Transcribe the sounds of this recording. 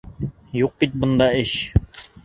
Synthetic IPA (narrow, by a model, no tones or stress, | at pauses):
juq̚bit̪̚bŏnd̪ɑɘɕ